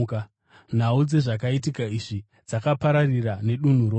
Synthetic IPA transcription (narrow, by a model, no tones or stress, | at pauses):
k | n̤aud͡ze̞ʐak̬aitikaiʐi | d͡zakapaɾarirane̞ɗun̤uɾo